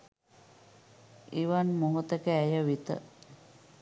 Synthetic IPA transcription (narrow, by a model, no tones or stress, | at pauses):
iʋanmuɦut̪əkəæjəʋit̪ə̰